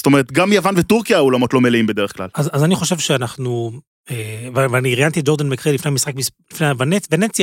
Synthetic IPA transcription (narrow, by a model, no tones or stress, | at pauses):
stoeet̪ɡamjavanvet̪uʁkijaolamo̞tlo̞meliimbed̪e̞eχkla̰lazazaniχo̞ʃe̞vʃeanaχnu | evvaniʁjant̪id͡ʒo̞ʁd̪anmekʁilifnejamisχak̚mislifneavanevenet͡sja